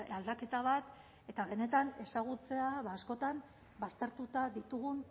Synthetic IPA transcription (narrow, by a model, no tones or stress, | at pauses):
ald̪ake̞t̪aβat̪ | e̞t̪aβe̞ne̞t̪ane̞saɣut͡se̞aβaːsko̞t̪am | bast̪e̞ɾt̪ut̪aðit̪uɣun